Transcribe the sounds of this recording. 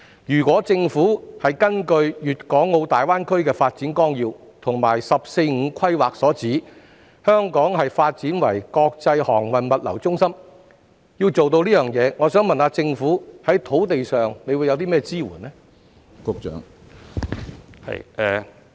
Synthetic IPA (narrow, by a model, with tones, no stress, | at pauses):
jyː˨˩kʷɔː˨˥t͡sɪ˧ŋfuː˨˥hɐ˨jkɐ˥nkɵ˧ɥjyː˨t̚kɔː˨˥ŋːo˧wt̪aː˨jwaː˥nkʰɵ˥ɥkɛː˧faː˧t̚t͡siː˨˥nkɔː˥ŋjiː˧w | t̪ʰʊ˨˩ŋmaː˨˩jsɐ˨p̚se˧jŋ̩ː˨˧kʰɐ˥jwaː˨k̚sɔː˨˥t͡siː˨˥ | hœː˥ŋkɔː˨˥ŋɦɐ˨jfaː˧t̚t͡siː˨˥nwɐ˨˩jkɔː˧k̚t͡sɐ˧jhɔː˨˩ŋwɐ˨˩nmɐ˨t̚lɐ̰˨˩wt͡sʊ˥ŋsɐ˥m | ji˧wt͡so˨wt̪o˧wliː˥jœː˨˩ŋjɛː˨˧ŋɔː˨˧sœː˨˥ŋmɐ˨naː˨˧t͡sɪ˧ŋfuː˨˥hɐ˨˥jt̪ʰo˨˥wt̪e˨jsœː˨ŋne˨˧jwuː˨˧jɐ˨˧wt̪i˥mɛː˥t͡siː˥wṵː˨˩nnɛ˥ | kʊ˧˥k̚t͡ʃœ̰ː˨˥ŋ | hɐ̰˨jɛ˨˧